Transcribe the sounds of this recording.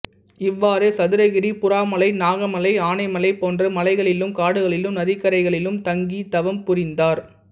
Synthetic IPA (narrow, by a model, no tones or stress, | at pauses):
ɪʋːaːɾeːsɐðɯɾɐɣɪɾipʊɾaːmɐlɐɪnaːɣɐmɐlɐɪaːnɐɪmɐlɐɪpoːndrɐmɐlɐɪɣɐɭɪlɯmkaːɽɯɣɐɭɪlɯmnɐðɪkːɐɾɐɪɣɐɭɪlɯmt̪ɐŋɡit̪ɐʋɐmpʊɾɪnd̪aːɾ